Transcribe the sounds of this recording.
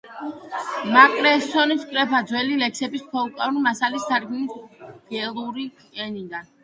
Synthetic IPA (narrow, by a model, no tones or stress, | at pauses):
makʼɾɛsɔniskʼɾɛpʰad̪zwɛlilɛksɛbispʰɔlˠkʼaɾunmasalisːaɾɡnisɡ̥ɛlˠuɾi | ɛnid̪an